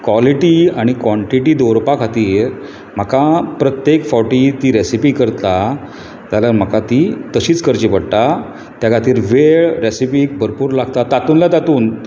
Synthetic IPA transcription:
kʋɔliʈiaɽ̃ikʋɔ̃ɳʈiʈiːd̪oɾpakʰat̪iːɾ | m̤əkapɾət̪jekfɔwʈit̪iːɾesipikəɾt̪a | t̪jalaɾm̤əkat̪it̪əɕiːt͡skəɾt͡ɕipəɽt̪a | t̪jakat̪iːɾʋeɭɾesipiːk̚bʱəɾpuːɾlaɡt̪at̪at̪uːnlat̪at̪uːn

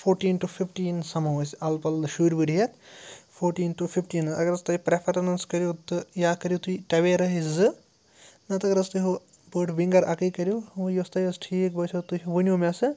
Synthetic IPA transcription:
fʰoːɾʈiːnʈufʰifʈiːnsɐmɐʋɐsɐlpɐlʃuːɾʲbɨɖijɐt̪fʰoːɾʈiːnʈufʰifʈiːnɐ̰ɡɐɾɐst̪ɐipɾefʰɐɾɐnɐnskɐɾjot̪ɨjaːkɐɾjot̪uiʈɐʋeɾɐɦizɨ | nɐt̪ɐɡɐɾɐst̪uɦo | bəːʈʋiŋɡɐɾɐkɨkɐɾʲjoʋjost̪ɐjɐsʈʰiːkbɐt͡ʃʰɐt̪uɦʋɨnʲumʲasɨ

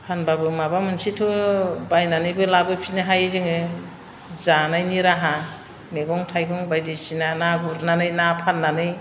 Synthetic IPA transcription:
pʰanbabɯmabamɯnsitʰɔbajnanɯjbɯjlabɯpʰinɯɦajzɯŋɯ | zanajniɾaɦa | neɡɔŋtʰajkʰɔŋbajdɯsinanaɡuɾnanɯjnapʰanːanɯj

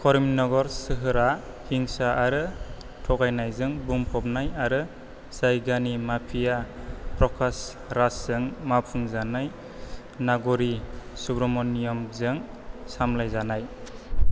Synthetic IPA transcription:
kʰɔɾimnɔɡɔɾsɯɦɯɾa | hiŋsaʔaɾɯ | tʰɔɡajnajzɯŋbumpʰɔp̚najaɾɯ | sajɡanimapʰijapʰɾɔkʰas | ɾaszɯŋmapʰuŋzanaj | naɡɔɾisubɾɔmɔnːijɔmzɯŋ | samlajzanaj

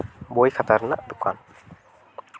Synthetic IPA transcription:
bojkʰat̪aɾna̰ʔd̪uka̰n

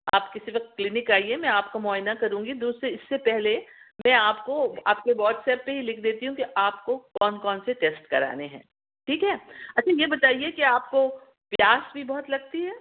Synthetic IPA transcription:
a̰ːpkɪsiʋɐk̪klɪnɪkaːiɛmɛ̃aːpkamɔːɦɪnakɐɾũːŋɡid̪uːsɾeɪsːepɛɦlemɛ̃aːpkoa̰ːpkeʋɔːʈsɛːpːeɦilɪkʰd̪eːt̪iɦũkiʔaːpkokɔːnkɔːnseʈeːsʈkɐɾa̰ːneɦɛ̰̃ː | ʈʰiːkɦɛːɐtːʃʰajebɐt̪aːiekiaːp̚ko | pjaːsbʱibɔɦʊt̪lɐɡt̪iɦɛː

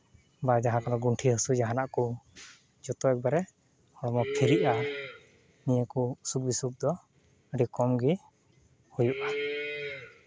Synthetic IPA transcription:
bad͡ʒaɦãkanɔɡuɳʈʰiɦəsud͡ʒaɦanaʔku | d͡ʒɔt̪ɔɛk̚baɾɛ | hɔɽɔmɔpʰiɾiʔa | nijəkuusuk̚bisuk̚d̪ɔ | əɖikɔmɡi | hujuʔa

